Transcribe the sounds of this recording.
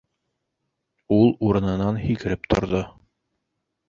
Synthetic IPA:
ulˠuɾɤ̆nɤ̆nɑnhikɘ̆ɾɘp̚t̪ʰŏɾðo

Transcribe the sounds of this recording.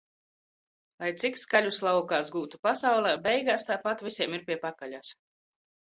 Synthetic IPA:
lˠajt̪sikskalʲuslˠawkaːsɡuːt̪upasawlˠɛːbɛjɡaːst̪aːpat̪vʲisʲiɛmiɾpʲiɛpakalʲas

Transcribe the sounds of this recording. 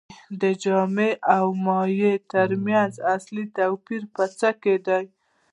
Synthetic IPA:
d̪əd͡ʒɑmeʔawmɑjet̪əɾmjanzaslit̪awpiɾpət͡səked̪aj

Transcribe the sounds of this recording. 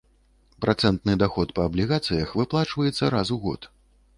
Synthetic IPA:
pɾʔat̪sɛnt̪nɨd̪axɔt̪pɐːblʲiɣat̪sɨjɐxvɨplˠat͡ʂvɐjɛt̪sːɐɾazuɣɔ̰t̪

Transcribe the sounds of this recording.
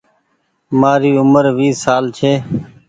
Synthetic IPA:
maːɾiːʊməɾʋiːsaːlt͡ʃʰeː

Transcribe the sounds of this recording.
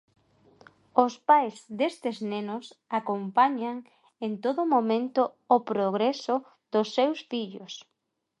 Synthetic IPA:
ʊspajzðest̪eznenʊsakompaɲaŋ | ent̪oðʊmomẽnt̪ʊː | pɾoɣ̞ɾesʊ | ð̥ʊsːewsfiʎos

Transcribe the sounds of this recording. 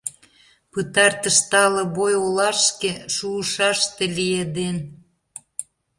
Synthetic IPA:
pɨt̪ɑrt̪ə̆ʃt̪ɑlə̆βojolɑʃkeʃuːʃɑʃt̪elied̪en

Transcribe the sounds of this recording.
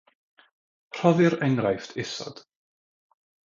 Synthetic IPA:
r̥ɔðɨɾɛŋɾajftʰɪsɔ̰d̥

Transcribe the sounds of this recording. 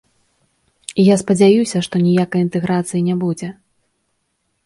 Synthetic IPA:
ijaspɐd͡zʲajusʲɐʂt̪ɔnʲijakɐjint̪ɛɣɾat̪sɨjinʲɛbud͡zʲɛ

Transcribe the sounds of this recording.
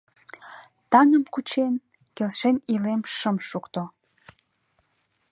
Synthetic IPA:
t̪ɑnəmkut͡ɕen | kelʃenilemʃəmʃukt̪o

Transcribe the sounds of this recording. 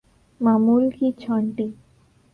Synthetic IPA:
mamulkit͡ɕʰɔɳʈi

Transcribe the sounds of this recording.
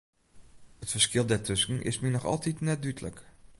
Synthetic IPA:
ətfəɹskɪlˠdɛɹtʰɵsənɪ̰sminɔχɑ̰lˠtitnɛt̚dytlə̰k

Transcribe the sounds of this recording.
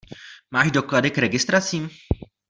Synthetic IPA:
maːʒdo̞kladɪkɾɛɡɪst̪ɾat͡siːm

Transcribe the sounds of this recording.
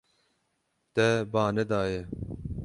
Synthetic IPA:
t̪ɛbɑːnɛd̪ɑːje

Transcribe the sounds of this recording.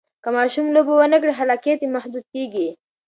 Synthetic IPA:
kəmɑʃumlobowənək̬ɽiɦalɑket̪emahd̪ud̪̚keɡi

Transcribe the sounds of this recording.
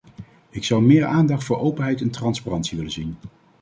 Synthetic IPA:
ɪksɑwmɪːɹʔaːndɑχtfʊːɹʔowpənɦɛjtɛntrɑnsparɑntsiʋɪlənzin

